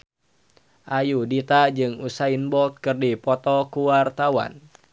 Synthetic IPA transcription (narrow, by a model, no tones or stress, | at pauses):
ʔajudit̪ad͡ʒɨŋusainbɔt̪̚kɨrdipɔt̪ɔkuwart̪awa̰n